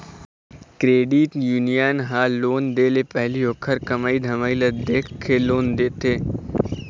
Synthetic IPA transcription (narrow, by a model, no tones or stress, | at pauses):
kɾeːɖiʈjuːnijənɦaloːnd̪eːlepɛɦlioːkʰəɾkɐmaːid̪ʱɐmaːilɐd̪eːkʰeloːnd̪eːt̪eː